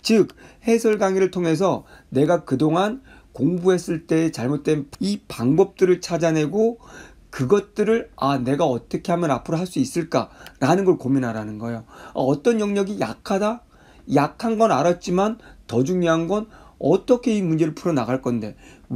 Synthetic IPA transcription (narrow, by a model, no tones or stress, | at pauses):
t͡ɕɯk̚he̞sʰʌɭɡaŋiɾɯɭtʰoŋe̞s̬ʰʌne̞ɡakɯdoŋan | koŋbuɦe̞s͈ɯɭt͈e̞ːt͡ɕaɭmot̚t͈we̞nipaŋbʌp̚t͈ɯɾɯɭt͡ɕʰad͡ʑanɦe̞ɡo | kɯɡʌt̚t͈ɯɾɯɭane̞ɡaʌt͈ʌkʰe̞ɦhamjʌnapʰɯɾoɦaɭs͈uis͈ɯɭk͈a̰ɾanɯnɡʌɭkominɦaɾanɯnɡʌeoa̰ʌt͈ʌnjʌŋɲʌɡija̰kʰada | jakʰanɡʌnaɾat̚t͡ɕ͈imantʌd͡ʑuŋɲiɦanɡʌnʌt͈ʌkʰe̞imund͡ʑe̞ɾɯɭpʰuɾʌnaɡaɭk͈ʌnde̞